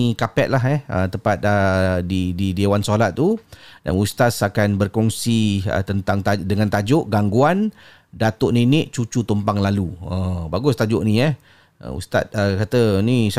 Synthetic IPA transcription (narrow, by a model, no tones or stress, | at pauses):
ikapɛʔ̪̚laɦɛhət̪əpat̪̚ədididiewansoɦlat̪̚ːuda̰nust̪asakanbərkɔŋsiə̰t̪ənt̪aŋt̪adəŋant̪ad͡ʒʊʔɡaŋɡuan | dat̪oʔnenɪʔt͡ʃut͡ʃut̪umpaŋlaluəbaɡʊst̪ad͡ʒʊʔnĩɛh | ə̰ṵst̪at̪̚əkat̪ənis